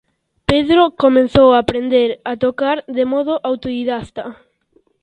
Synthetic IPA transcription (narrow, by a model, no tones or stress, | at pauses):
peðɾokomẽnθowaːpɾend̪eɾat̪okaɾðemɔðoʔawt̪oðiðast̪a